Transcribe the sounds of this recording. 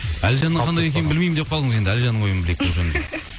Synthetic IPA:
ælʒɑnːəɴqɑnd̪ɑjee̞nɪmbɪlmejmɪnd̪eqʰɑlˠd̪əɴəzend̪ɪælʒɑnːəɴwo̞jəməbɪle̞t̪ːɪʒnd̪

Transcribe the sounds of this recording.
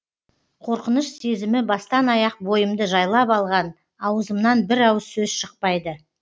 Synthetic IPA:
qʰo̞ɾqənəʃse̞zɪmɪbɑst̪ɑnɑjɑq̚bo̞jəmd̪əʒɑjlˠɑpɑlˠʁɑn | ɑwəzəmnɑnbɪɾɑwsɵzʃəq̚pɑjd̪ə

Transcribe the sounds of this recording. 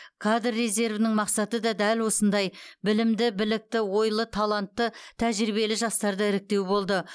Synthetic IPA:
kʰad̪rːe̞ze̞ɾvɪnɪŋmɑqsɑt̪əd̪ɑd̪ælwo̞sənd̪ɑjbɪlɪmd̪ɪbɪlɪk̚t̪ɪwo̞jlˠət̪ʰɑlˠɑnt̪ːət̪ʰæʒɾiβe̞lɪʒɑst̪ɑɾd̪əɪɾɪk̚t̪e̞wbo̞lˠd̪ə

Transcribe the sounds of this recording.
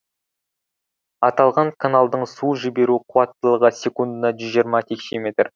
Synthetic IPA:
ɑt̪ɑlˠʁɑɴkʰanalˠd̪əɴsuʒɪbe̞ɾuqʰʊwɑt̪ːəlˠəʁəsʲe̞kund̪ənɑʒʏzʒijəɾmɑt̪ʰekʃemʲet̪r

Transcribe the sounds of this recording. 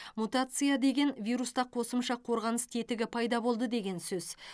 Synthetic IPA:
mut̪at̪sɨjad̪e̞ɡʲe̞nvʲijɾust̪ɑqʰo̞səmʃɑqʰo̞ɾʁɑnəst̪ʰe̞t̪ɪɡʲɪpʰɑjd̪ɑbo̞lˠd̪əd̪e̞ɡʲe̞nsɵz

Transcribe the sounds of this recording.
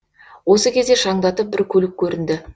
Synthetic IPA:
wo̞səkʲʰe̞zd̪e̞ʃɑɴd̪ɑt̪əp̚bɪɾkʲʰɵlɪkʲʰːɵɾɪnd̪ɪ

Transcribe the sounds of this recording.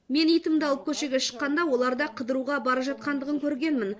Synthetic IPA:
me̞nijt̪əmd̪ɑlˠəp̚kʲʰɵʃe̞ɡʲeʃə̥qːɑnd̪ɑwo̞lˠɑɾd̪ɑqʰəd̪əɾuʁɑbɑɾəpʒɑt̪̚qɑnd̪əʁəŋkʲʰɵɾɡʲe̞nmɪn

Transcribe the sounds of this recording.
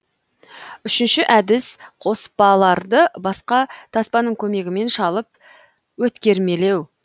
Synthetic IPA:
ʏʃɪnʃɪʔæd̪ɪsqʰo̞spɑlˠɑɾd̪əbɑsqɑt̪ʰɑspɑnəɴkʲʰɵme̞ɡʲɪme̞nʃɑlˠəp̚ | wɵt̪kʲe̞ɾme̞le̞w

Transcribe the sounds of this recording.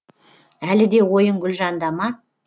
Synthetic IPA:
ælɪd̪e̞wo̞jəɴɡʲʏlʒɑnd̪ɑmɑ

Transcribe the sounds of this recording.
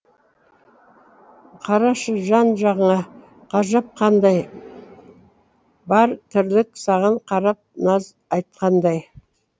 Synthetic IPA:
qʰɑɾɑʃəʒɑnʒɑʁəɴɑ | qʰɑʒɑp̚qʰɑnd̪ɑj | bɑɾt̪ʰʏɾlɪksɑʁɑɴqʰɑɾɑp̚nɑz | ɑjt̪̚qɑnd̪ɑj

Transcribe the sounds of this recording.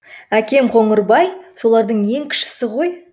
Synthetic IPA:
ækʲe̞mqʰo̞ɴəɾbɑjso̞lˠɑɾd̪əɴje̞ŋkʲʰɪ̥ʃɪ̥sɪʁo̞j

